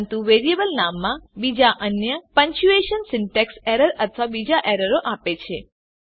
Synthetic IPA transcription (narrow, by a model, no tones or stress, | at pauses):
nt̪uʋeɾiebəlnamːãbid͡ʒaʔənjəpə̃ɲt͡ʃueʃənsɪɳʈekseɾəɾət̪ʰʋabid͡ʒaʔeɾəɾoʔapet͡ʃʰe